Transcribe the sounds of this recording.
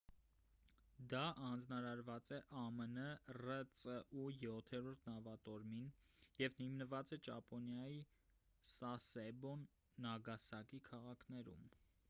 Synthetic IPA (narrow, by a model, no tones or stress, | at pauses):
d̪ɑʔɑnd͡znɑɾɑɾvɑt͡sɛʔɑmənərət͡səʔujɔt̪ʰɛɾɔɾt̪ʰnɑvɑt̪ɔɾminjɛvnimnəvɑt͡sɛt͡ʃɑ̰pɔnjɑji | sɑsɛbɔnː | ɑɡɑsɑkikʰɑʁɑkʰnɛɾṵm